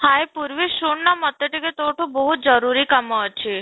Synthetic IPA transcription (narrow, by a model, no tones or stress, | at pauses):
hajpuɾʋiʃuɳnamɔt̪ːeʈiket̪oʈʰubɔɦut̪̚d͡ʒəɾuɾikɐmɔt͡ʃʰi